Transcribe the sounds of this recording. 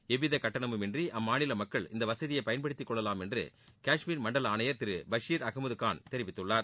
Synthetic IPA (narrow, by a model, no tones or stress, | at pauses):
ɛʋɪðɐkɐʈːɐɳɐmɯmɛndriʔɐmːaːnɪlɐmɐkːɐɭɪ̰nd̪ɐʋɐsɐðɪjɐɪpɐjɐnpɐɽɪt̪ːɪkːɔɭːɐlaːmɛndrɯ̰ | kaːʂmiːɾmɐɳɖɐlaːnɐjɐɾt̪ɪɾɯbɐʂiːɾɐɣɐmɐðɯkːaːnt̪ɛɾɪʋɪt̪ːɯɭːaːɾ